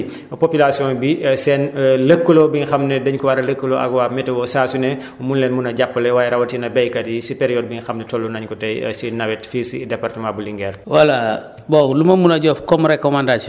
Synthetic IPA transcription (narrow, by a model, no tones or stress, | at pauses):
popilasijɔ̃nbisɛːnləkːəlɔbiɲxɐmnɛdɐɲkɔwaɾɐləkːəloʔɐ̰ɡwaːmɛtɛwɔsaːsunɛ | munlɛnmunɐɟapːɐlɛwaːjɛɾɐwɐtinɐbɛjkɐdisipeɾijɔːt̚biɲxɐmnɛtɔlːunɐɲkutɐj̰sinɐwɛtfisidɛpartəmãbuliŋɡɛːɾwala | bɔlumɐmunɐɟɔfkɔmuɾɛkːɔmandat͡ʃi